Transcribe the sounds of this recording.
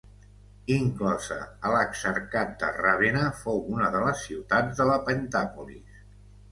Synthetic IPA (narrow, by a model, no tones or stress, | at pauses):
iŋklɔzə̰ələksəɾkat̪̚d̪ə̰rəβenəfowunəðələsːiwt̪add͡zðələpənt̪apulḭs